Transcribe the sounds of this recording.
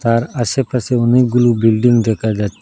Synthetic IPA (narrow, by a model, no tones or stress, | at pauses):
t̪aːɾɐsepʰɐseʊniɡʊlubɪlɖɪ̃ŋɡd̪eːkad͡ʒat̪